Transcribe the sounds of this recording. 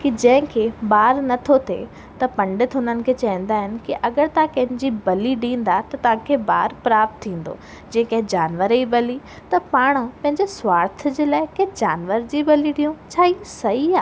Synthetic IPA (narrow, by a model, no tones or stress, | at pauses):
kid͡ʑɐ̃ɦɪ̃kʰebaːɾnɐt̪ʰot̪ʰḛ | t̪ɐpɐ̃ɳɖɪt̪ɦʊnənɪ̆kʰeːt͡ɕɐĩn̆d̪aːɦɪnɪ̆kiʔɐɡəɾt̪ɐãkɐ̃ɦɪ̃ɲd͡ʑibɐliɗĩːn̆d̪at̪ɐt̪ɐʋ̤ãkʰebaːɾpɾaːp̚t̪ʰːĩːn̆d̪o̰ː | d͡ʑɛ̃ːɦɪ̃kɐ̃ɦɪ̃d͡ʑaːnʋəɾibɐli | t̪ɐpaːɽ̃pɐ̃ɦɪ̃ɲd͡ʑesʋaːɾt̪̆ʰd͡ʑeːlaːɪkɐ̃ɦɪ̃d͡ʑaːnʋəɾd͡ʑibɐliɗiːũt͡ɕʰaːisɐɦiaː